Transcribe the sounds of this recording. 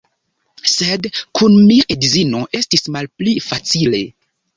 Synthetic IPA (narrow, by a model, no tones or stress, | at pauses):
sedkʰunmiʔedizino̞ʔe̞stismalplifat͡sile̞